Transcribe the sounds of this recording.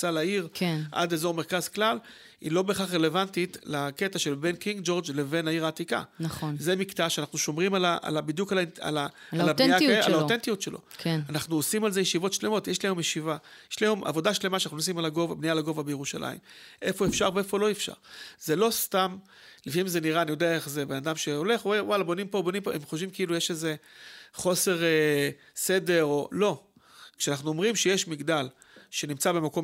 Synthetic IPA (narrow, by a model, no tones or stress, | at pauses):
t͡salaiʁkʰenʔa̰dezo̞ʁmeʁkazklal | ḭlo̞be̞ːχaχʁele̞vantitlake̞taʃe̞lbe̞nkiŋɡd͡ʒo̞ʁd͡ʒle̞venaiʁaːt̪ika̰naχonzemiktaʃeanaχnuʃomʁimalaʔa̰labid̪jukalaa̰laalabijaalaotent̪ijutʃelʔo̞̰kʰenanaχnuosimalze̞jeʃivo̞tʃle̞mo̞tjeʃlaemjeʃiva | jeʃlaemʔa̰vo̞daʃle̞maʃanaχnunos̬imalaɡovabnijalaɡo̞vabejeʁuʃalʔa̰ḭmʔe̞fo̞efʃaʁvee̞folo̞efʃa̰ʁz̥elo̞st̪am | lifiimzeniʁaːnijo̞d̪eae̞χzebenad̪amʃeole̞χewalabo̞nimpo̞bo̞nimpoemχoʃvimkeilujeʃeze̞χo̞se̞ʁe | sede̞ʁo̞lo̞ | kʃeanaχnuomʁimʃejeʃmiɡd̪al | ʃe̞nimt͡sabe̞mako̞m